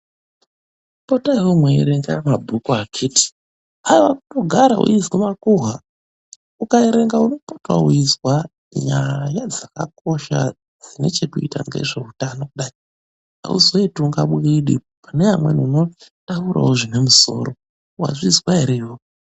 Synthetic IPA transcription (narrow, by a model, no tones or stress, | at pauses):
potaiwomweeɾeŋɡamabʱukuakʰiti̥ | ajiwakuto̞ɡʱaɾa̰ṵizwamakuɦa | ukaeɾe̞ŋɡauno̞potwa̰uizwa | ɲajad͡zaka̰ko̞ʃa̰ | d͡zine̞t͡ʃe̞kuita̰ŋɡe̞̰ʐe̞utanokuɗai | a̰ṵzo̞ituŋɡaɓiɗḭ | paneamwḛnuno̞tauɾa̰woʐine̞muso̞̰ːro | wa̰ʐizwaɦeɾewo